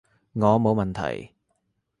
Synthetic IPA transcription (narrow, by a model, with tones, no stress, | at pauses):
ŋɔː˨˧mo˨˧wmɐ˨˩nt̪ʰɐ̰˨˩j